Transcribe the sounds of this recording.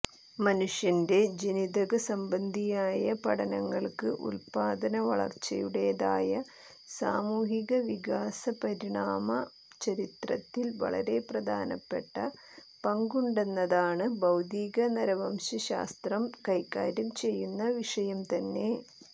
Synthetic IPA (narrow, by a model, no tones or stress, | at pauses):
mɐnuʂjɐnde̞d͡ʑenid̪ɐɣɐsɐmbɐnd̪ʱijaːjɐpɐɽɐnɐŋːɐɭkɨʔṵlpaːd̪ɐnɐʋɐ̰ɭɐ̰rt͡ɕːɐ̰juɽe̞jɐða̰ːjɐ | saːmuːɦiɣɐʋiɡaːsɐpɐɾiɳaːmɐ | t͡ɕɐɾit̪rɐt̪ːilʋɐ̰ɭɐ̰ɾe̞prɐd̪ʱa̰ːnɐpːe̞ʈːɐ | pɐŋɡuɳɖe̞nːɐðaːɳɨbɐwd̪iːɣɐnɐɾɐʋɐmɕɐɕa̰ːst̪rɐmkɐjkːa̰ːɾɐmt͡ɕe̞jːunːɐʋiʂɐjɐmt̪ɐnːe̞